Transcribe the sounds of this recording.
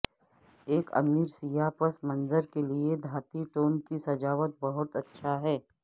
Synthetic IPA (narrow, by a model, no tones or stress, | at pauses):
eːkɐ̰miːɾsijapəsmɐ̃nzəɾkelied̪ʱaːt̪iʈoːnkisɐd͡ʒaːʋət̪̚bɐɦʊt̪ɐtːʃʰaɦɛː